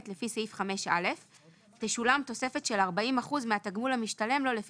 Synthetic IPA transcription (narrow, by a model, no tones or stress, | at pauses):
t̪lefiseifχame̞ʃa̰le̞f | teʃulamt̪o̞se̞fe̞tʃe̞laʁbaimaχuzmeat̪aɡmulhamiʃtale̞mlo̞lef